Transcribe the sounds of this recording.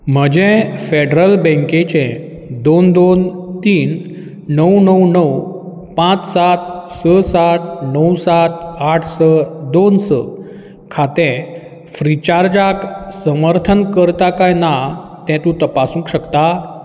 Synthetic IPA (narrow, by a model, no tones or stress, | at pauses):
m̤əd͡ʑɛ̃feɖɾəlbɛ̃ŋket͡ɕẽ | d̪ond̪ont̪iːnː | əwnəwnəw | pãt͡ssat̪̚səsat̪̚nəwsat̪̚ʰaʈʰsəd̪onsə̰ | kʰat̪ɛ̃ | fɾit͡ɕaɾd͡ʑaksəməɾt̪ʰənkəɾt̪akajnat̪ɛ̃t̪ũt̪əpasũŋkɕəkt̪a